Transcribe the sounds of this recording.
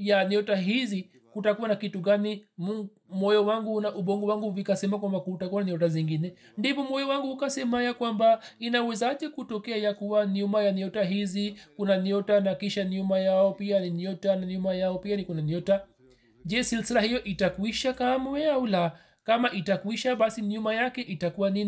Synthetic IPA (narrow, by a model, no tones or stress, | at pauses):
janɔtaɦizi | kutakuwanakituɡanimu | mɔjɔwaŋɡunaʔuɓɔŋɡɔwaŋɡuvikasɛmakwambakutakuwananɔt̬aziŋɡinɛ | ndipɔmɔjɔwaŋɡuhukasɛmajakwambainauwɛzaaʄɛkutɔkɛajakuwaniumajaniɔtaɦizikunaniɔtanakiʃanumajaɔpianiniɔtananumajaɔpianikunanɔta | d͡ʒɛsilsilahijɔʔitakwiʃakamwɛaula | kamaʔitakwiʃaɓasiɲumajakɛʔitakuwanin